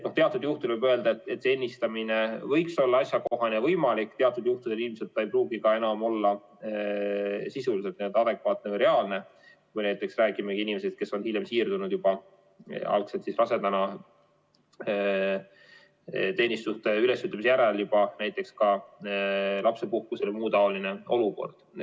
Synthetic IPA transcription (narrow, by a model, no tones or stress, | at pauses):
noht̪eɑt̪ːˑud̪̥juht̪ulvɤbøe̞ld̪ɑet̪ːˑet̪ːˑsenʲːist̪ɑminevɤjkso̞lːɑɑsjɑkoo̞ɦɑnʲevɤjmɑlikːt̪e̞ɑt̪ːˑud̪̥juht̪ud̪eilmise̞t̪ːˑejpruːɡ̥ikɑe̞nɑmo̞lːɑ | sisuliset̪niend̪ɑd̪e̞kvɑːt̪̚ˑnevɤjɾe̞ɑːlne̞ | kujnæjt̪ːˑeksræːɡimekiinime̞s̬ed̪̥̚ke̞sːo̞nhiljemsiːrd̪unud̪̥jub̥ɑ | ɑ̰lkselt̪sisrɑse̞d̪̥ɑnɑ | t̪e̞ːnist̪ust̪eylesjyt̪lɑmis̬jæɾeljub̥ɑnæjt̪ːˑe̞kskɑ | lɑpse̞puhkuselmuːt̪ɑo̞lineo̞luko̞̰rd̪̥